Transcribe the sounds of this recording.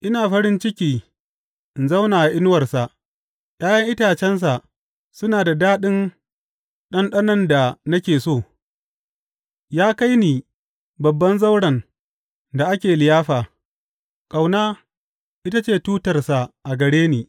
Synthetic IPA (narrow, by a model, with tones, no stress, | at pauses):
ʔɪ˦naː˨ɸɐ˦ɽɪ˦nt͡ʃɪ˦kʲiː˨ | ɪ˨nza˦wnaː˨a˨ʔɪ˦n˦wɐ˨rsa˨ʔ | ɗaː˦jɐ˦ŋʔɪ˦taː˨t͡ʃɛ˦ns̬a˨ | sʊ˦naː˨da˨daː˦ɗɪ˦n | ɗɐ˦nɗɐ˦nɐ˦nda˨nɐ˦kʲeː˨soː˦˨ | jaː˦ka˦jni˨ | bɐ˨bːɐ˦nza˦wɽɐ˨n | da˨ʔa˦kʲeː˨lɪ˨jaː˦ɸaː˨ | kʼa˨wnaː˦ | ʔɪ˦ta˦t͡ʃeː˦˨tuː˦tɐ˨rsa˨ʔa˨ɡɐ˨ɽeː˦niː˨